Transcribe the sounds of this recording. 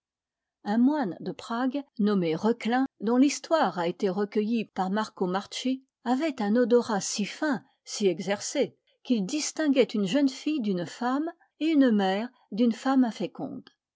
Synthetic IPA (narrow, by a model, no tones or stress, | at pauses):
ɛ̃mwand̪əpχaɡnɔmeʁəklɛ̃d̪ɔ̃list̪waʁaet̪eʁəkʲəjipaʁmaʁkomaʁt͡ʃi | avɛt̪ɛ̃nɔd̪ɔʁasifɛ̃ | siɛɡzɛʁse | kild̪ist̪ɛ̃ɡʲɛt̪ynʒənfijd̪ynfam | eynmɛːʁ | d̪ynfamɛ̃fekɔ̰̃d̪